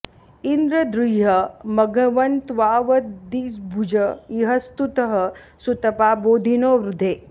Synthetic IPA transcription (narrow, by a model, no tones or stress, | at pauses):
ind̪ɾɐd̪ɾiɦɐmɐɡɐʋɐnt̪ʋaːʋɐt̪d̪iːsbʱud͡ʒɐiɦɐst̪ut̪ɐɦɐ | sut̪ɐpaːboːd̪ʱinoːʋɾud̪ʱeː